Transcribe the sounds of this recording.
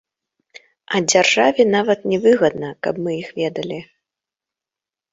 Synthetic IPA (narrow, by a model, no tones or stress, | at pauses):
ɐd͡zʲarʐavʲinavɐt̪nʲɛvɨɣɐd̪nɐkɐbmɨjixvʲɛd̪ɐlʲi